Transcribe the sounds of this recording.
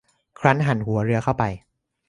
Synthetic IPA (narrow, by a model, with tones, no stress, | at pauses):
kʰɾa˦˥nɦa˨˩˦nhu˨˩˦ɐɾɯ˧ɐkʰa˥˩wpa˧j